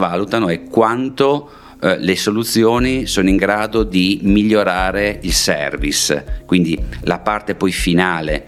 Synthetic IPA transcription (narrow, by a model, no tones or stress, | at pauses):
vaːlut̪anoɛkwant̪o | lesolut̪sːjoːnisoːnoiŋɡɾaːd̪od̪imiʎːoɾaːɾeilsɛ̰rviskwind̪ila̰part̪epɔjfinaːle